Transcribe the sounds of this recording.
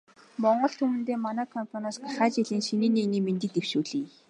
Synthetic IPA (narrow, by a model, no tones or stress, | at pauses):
mɔɴɢɞ̆ɬt̪ʰumɘ̆nt̪eːmanæːkʰɔmpʰanasɡaχæːt͡ɕiɮiːnʃiniːneɣniːment̪ɘ̆k̚t̪ewʃuːɮiː